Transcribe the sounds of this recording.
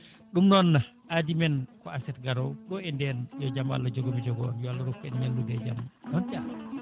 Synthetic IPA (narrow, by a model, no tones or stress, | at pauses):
ɗumnɔnːa | adimɛnkɔasɛt̚ɡaɾowɗɔɛndɛnjɔd͡ʒama̰lːad͡ʒɔɡobid͡ʒɔɡɔːnjɔalːɔɾukːɛnɲalːudɛd͡ʒamɔntia